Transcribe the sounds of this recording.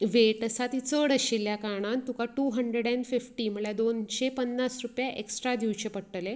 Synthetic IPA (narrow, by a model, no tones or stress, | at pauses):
ʋeʈəsat̪it͡səɽəɕilːjakaɽ̃ant̪ũkaʈuɦəɳɖɾeɽɛ̃ɳɖfifʈiːm̤əɽɭjad̪onɕepənːasɾupjaʔeksʈɾad̪iʋt͡ɕepəɽʈəle